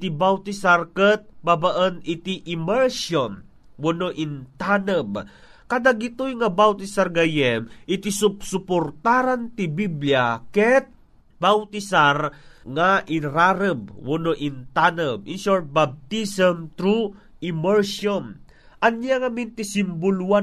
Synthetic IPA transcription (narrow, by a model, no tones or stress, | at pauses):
t̪ibawt̪isaɾkət̪̚babaʔənɪt̪iʔɪmɛɹʃɔn | wonoʔint̪anəb | kad̪aɡit̪ojŋabawt̪isaɾɡajɛmʔɪt̪isʊpsʊpoɾt̪aɾant̪ibibljakɛt̪̚ | bawt̪isaɾŋaʔɪɾaɾəb̚wʊnoʔɪnt̪anəbɪnsɔɹt̪̚bab̚t̪isəmt̪ɾu | ɪmɛɹsɔn | ʔanjaŋamint̪isimbʊluwa